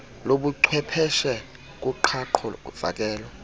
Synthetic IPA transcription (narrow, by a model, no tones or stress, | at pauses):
loɓuǀʰwɛpʰɛʃɛ | k̬ʼuǃʰaǃʰɔv̥a̰k̬ʼɛːlɔ